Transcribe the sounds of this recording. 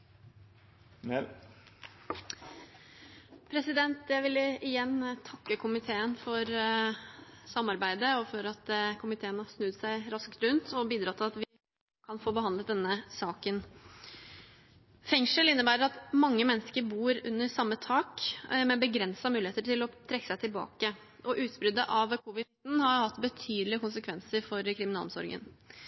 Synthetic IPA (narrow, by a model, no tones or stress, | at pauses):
pʰɾɛsɪd̪ɛnt̪jæɪʋɪləɪjɛnt̪ʰɑkːəkʰʊmɪt̪ʰeːənfɔɾ | sɑmːɑɾbæɪd̪əɔfɔɾɑt̪kʰʊmɪt̪ʰeːənhɑsnʉːt̪sæɪɾɑskt̪ɾʉnt̪ʰɔbiːd̪ɾɑːt̪ʰːɪlɑt̪ʋɪ | kʰɑnfoːbəɑnd̪ət̪̚d̪ɛnːəsɑːkən | fɛŋʂəlɪnːəbæːɾəɾɑt̪mɑŋːəmɛnːəskəɾbuːɾʉ̰nːəɾsɑmːət̪ʰɑːkmɛbəɡɾɛnsɑmʉːlɪheːt̪əʈʰɪlɔt̪ʰɾɛkːə̥sæɪt̪ʰɪlbɑ̰ːkə | ʔɔʔʉːt̪sbɾʏd̪əʔɑʋkʰʊʋɪt̪n̩hɑɾjʊhɑt̪ːbət̪ʰyːd̪əlɪəkʊnsəkʰʋɛnsəɾfɔɾkʰɾɪmɪnɑːlmsɔ̰ɾɡə̰n